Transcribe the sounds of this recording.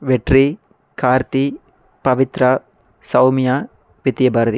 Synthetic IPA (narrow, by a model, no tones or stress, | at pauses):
ʋeʈɾi | kʰaːɾt̪i | pɐʋit̪ɾɐ | sɐwmja | ʋit̪ijɐbaːɾɐd̪i